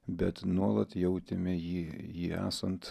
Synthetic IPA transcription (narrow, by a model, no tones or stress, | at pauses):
bʲɛt̪nuɔlˠɐt̪jɛʊt̪ʲɪmʲɛjiːjiːæ̰ːsɐnt̪